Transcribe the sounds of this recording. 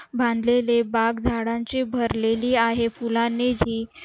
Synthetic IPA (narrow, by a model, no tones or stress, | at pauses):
bʱãnd̪lelebaɡd͡zʱaɽãɲt͡ɕiːbʱəɾleliːaɦefulanid͡ʑiː